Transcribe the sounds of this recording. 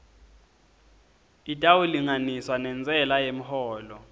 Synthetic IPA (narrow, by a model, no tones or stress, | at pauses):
itʼawuliŋaniswanɛnt͡sʼɛlajem̩hɔːlɔ